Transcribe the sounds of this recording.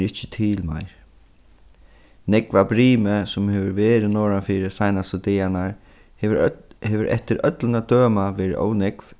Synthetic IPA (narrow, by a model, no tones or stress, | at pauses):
ɾɪht͡ʃːɪ̥t̪ʰiːlma̰jɹ | nɛkvabɾiːməsʊmhɛːʋəɾʋeːɾɪnɔːɹafiːɾɪsajnast̪ət̪ɪjanaɹ | hɛːʋɪɾʔɛ̰ht̪ɪɾœt̪lənad̪̥øːmaʋɛːɾɪ̰ʔo̰ːwnɛkv̥